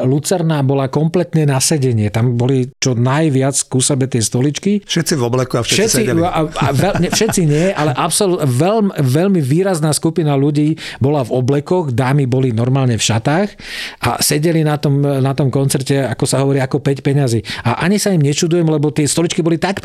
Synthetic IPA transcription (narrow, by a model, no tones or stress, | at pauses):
lut͡sɛɾnabɔlakɔmplɛt̪nɛnasɛɟɛɲɪɛt̪ambɔlit͡ʃɔnajʋɪat͡skusɛbɛt̪ɪɛst̪ɔlit͡ʃkifʃɛt̪t͡sivɔblɛkuafʃɛʃɛiaʋɛɲɛfʃɛt̪t͡siɲɪɛʔalɛʔapsɔluʋɛlmʋɛʎmiʋiːɾaznaːskupinaluɟiːbɔlavɔblɛkɔɣd̪aːmibɔlinɔɾmaːlɲɛfʃat̪aːxʔa̰sɛɟɛlinat̪ɔmnat̪ɔmkɔnt͡sɛɾcɛakɔsaɦɔʋɔɾiakɔpɛcpɛɲaziːaʔaɲisaimɲɛt͡ʃud̪ujɛmlɛbɔt̪ɪɛst̪ɔlit͡ʃkibɔlit̪ak